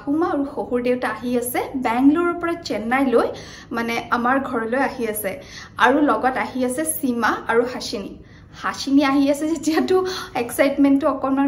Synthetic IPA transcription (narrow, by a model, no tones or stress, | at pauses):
humaːɹuxohuɹdewtaːɦiasɛbɛŋɡlɔɹɔpɔɹat͡ʃɛnːajloj | manɛamaɹɡʱɔɹɔlojaɦiasɛa̰ɹulɔɡɔtaɦiasɛsimaaɹuhasinḭ | hasiniaɦiasɛzetijatʊɛksajtmɛntɔɔkɔma